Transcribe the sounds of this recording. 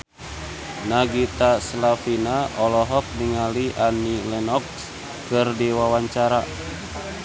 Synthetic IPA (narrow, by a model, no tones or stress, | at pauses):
naɡit̪aslafinaʔɔlɔɦɔk̚niŋaliʔanilɛnɔks | kɨrdiwawaɲt͡ʃaɾa